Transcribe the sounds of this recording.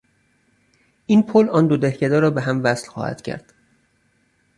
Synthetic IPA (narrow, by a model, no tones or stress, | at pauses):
ʔiːnpʰolɒːnd̪od̪ehcʰed̪ɒːɾɒːbeɦæmvæslxɒ̰hæ̰d̪̥cʰæ̰ɾd̪̥